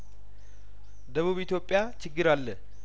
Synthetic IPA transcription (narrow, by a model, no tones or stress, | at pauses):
d̪əβuβit̪ʰjo̞pʼːjat͡ʃʰɪɡːɨɾalːə